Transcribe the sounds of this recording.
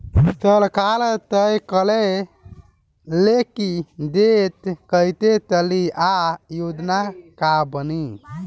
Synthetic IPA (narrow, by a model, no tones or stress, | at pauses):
t͡ʃəlkalt̪əjkəle | lekid̪et̪kəjt̪et̪əliʔajud̪nakabəni